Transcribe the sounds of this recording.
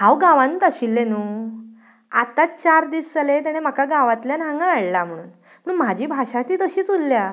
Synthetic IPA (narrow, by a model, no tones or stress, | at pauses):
ɦãwɡaʋãnuːt̪əɕilːẽnuː | at̪at͡ɕaɾd̪iːst͡salet̪̬eɽ̃em̤əkaɡaʋat̪ljanãŋɡãːɽlam̤əɽ̃ṵːn | m̤əɽ̃uːnm̤ad͡ʑʱiːbʱaɕat̪iːt̪əɕiːt͡sulːja